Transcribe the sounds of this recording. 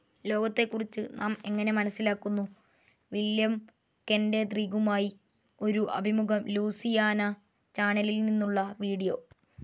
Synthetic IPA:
lo̞ːɡɐt̪ːe̞kːurit͡ɕːɨnʔaːme̞ŋːɐne̞mɐnɐsːilaːkːunːu | ʋiljɐm | kende̞t̪riːɡumaːji | o̞ɾuʔɐ̰bʱimuɡɐmluːsijaːnɐ | t͡ɕaːɳɐlilninːuɭːɐʋiːɽijo̞ː

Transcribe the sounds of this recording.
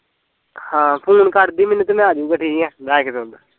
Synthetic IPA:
hãːpʰuːnkəɾd̪iːmɪnət̪mɛ̃ːaːd͡ʒuːkəʈʰiːiɛ̃ːbaːkd̪õːnd̪aː

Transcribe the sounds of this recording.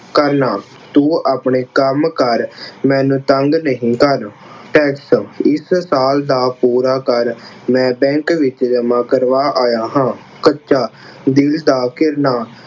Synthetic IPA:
kəɾnaː | t̪uːaːpɳeːkəmkəɾmɛ̃ːnũːt̪əŋɡnəɦĩːkəɾ | ʈɛːksɪssaːld̪aːpuːɾaːkəɾ | mɛ̃ːbɛ̃ːkʋɪt͡ʃd͡ʒəmãːkəɾʋaːʔaːjaːɦãː | kətːʃaː | d̪ɪld̪aːkɪɾnaː

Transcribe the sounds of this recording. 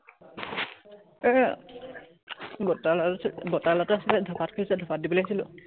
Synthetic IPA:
bɔtalbɔtalataasilɛdʱɔpʰat̚kʰɔɹsɛdʱɔpʰat̚dibɔleasilʊ

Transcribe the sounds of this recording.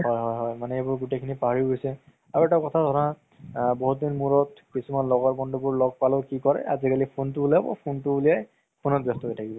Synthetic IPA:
hɔjɦɔjɦɔjmanɛebʊɹɡutekʰinipaɦaɹiɡojsɛ | aɹuɛtakɔtʰadʱɔɹa | boɦut̚dinmuɹɔt̚kisumanlɔɡɔɹbɔndʱubʊɹlɔɡ̚palokikɔɹɛ̰ʔazikalipʰontubuliabɔ̰pʰontubulijaj | pʰonɔt̚bjɔstɔɦojtʰakibɔ

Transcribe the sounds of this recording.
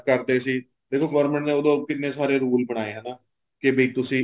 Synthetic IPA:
kəɾd̪eːsiː | d̪eːkʰoːɡoːɾməɳʈnẽːoːd̪õːkɪneːsaːɾeːɾuːlbəɽ̃aːeːɦɛːnaː | kɪbəiːt̪ʊsĩː

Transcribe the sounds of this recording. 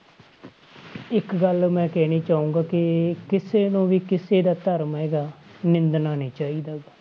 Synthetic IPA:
ɪkɡəlmɛ̃ːkɛːniːt͡ʃaːũːŋɡaːkɪkɪseːnõːʋiːkɪseːd̪aːt̪əɾmɦɛːɡaːnɪ̃nd̪naːneːt͡ʃaːiːd̪aːɡaː

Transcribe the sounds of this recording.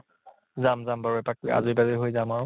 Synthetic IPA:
zamzambaɹuɛpak̚ia̰zubazeɦojzamaɹ

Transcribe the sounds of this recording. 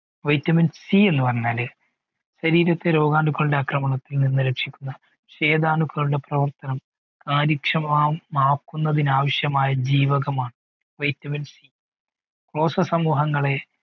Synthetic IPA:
ʋɐjtːɐminsie̞nːupɐrɐɲːaːle | ɕɐɾiːɾɐt̪ːe̞ɾo̞ːɡaːɳɖukːɐɭuɽe̞akrɐmɐɳɐt̪ːilninːɨɾekʂikʲːunːɐ | ɕe̞ːd̪aːɳukːɐɭuɖe̞prɐʋɐrt̪ɐnɐm | kaːɾikʂɐmaːmaːkːunːɐðinaːʋɐɕjɐmaːjɐd͡ʑiːʋɐɣɐmaːɳɨ | ʋɐjtːɐminsi | kro̞ːsɐsɐmuːɦɐŋːɐɭe̞

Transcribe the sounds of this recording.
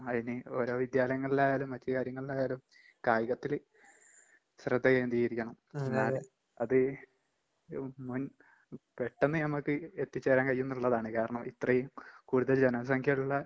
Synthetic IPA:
ɐðineo̞ːɾo̞ːʋid̪jaːlɐjɐŋːɐɭilaːjaːlumʋɐt͡ɕːɐkaːɾjɐŋːɐɭilaːjaːlum | kaːjiɣɐt̪ːil | ɕrɨd̪ʱːɐkend̪ijiɾikʲːɐɳɐmenːaːl | ɐðɨ | mun | pe̞ʈːenːɨnɐmɐkːɨet̪ːit͡ɕːeːɾaːnkɐijːunːuuɭːɐðaːɳɨkaːɾɐɳɐmʔit̪rɐjumkuːɽuðɐld͡ʑenɐs̬ɐŋkʰjɐɭuɭːɐ

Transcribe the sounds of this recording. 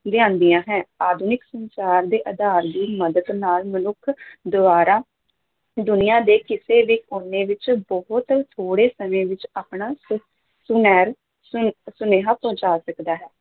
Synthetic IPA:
d̪ɪãːnd̪iːãːɦɛ̃ːaːd̪unɪksə̃nt͡ʃaːɾd̪eːʔəd̪aːɾd̪iːməd̪əd̪naːlmənʊkʰd̪ʊaːɾaː | d̪ʊnɪjãːd̪eːkɪseːʋiːʊnẽːʋɪt͡ʃbɔɦʊt̪t̪ʰoːɽeːsəmẽːʋɪt͡ʃaːpɳaːs | sʊnɛːɾ | sʊneːɦaːpə̃ʊ̃t͡ʃaːsəkd̪aːɦɛː

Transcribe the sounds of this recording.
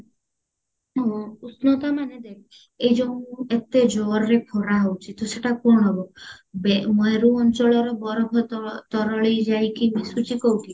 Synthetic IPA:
ɦɔ̃usnɔt̪amaned̪ej | ejd͡ʒɔnuet̪ed͡ʒɔɾɾepʰɔɾaɦowt͡ʃʰit̪ɔseʈapuɾɳ̃ɔbɔbemɔeɾuɔnt͡ʃɔɭɔɾɔbɔɾɔbʱɔt̪ɔɾɔɭejd͡ʒajkimisut͡ʃikɔwʈi

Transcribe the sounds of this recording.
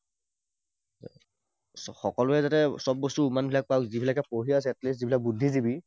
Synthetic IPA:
xɔkɔlʊɛzatɛsɔb̚bɔstuumanbʱilak̚pawzibʱilakɛpoɦias̬ɛɛtlis̬zibʱilak̚budʱːizibi

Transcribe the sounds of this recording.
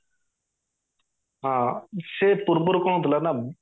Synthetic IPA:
ɦãːsepʊɾpʊɾkɔ̃ːt̪ʰlana

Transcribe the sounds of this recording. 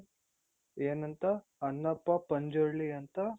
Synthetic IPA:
eːnɐnt̪ɐ | ɐnːɐpːɐpɐɲd͡ʒoɭːiɐnt̪ɐ

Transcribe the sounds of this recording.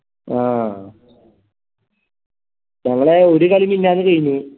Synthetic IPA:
aː | ɲɐŋːɐɭeoɾukɐliminːaːnːɨkɐjɲːi

